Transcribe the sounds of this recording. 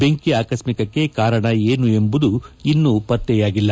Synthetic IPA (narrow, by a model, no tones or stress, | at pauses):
be̞ŋkiaːkɐsmikɐkːe̞kaːɾɐɳɐeːnue̞mbud̪uinːupɐt̪ːɛjaːɡilːɐ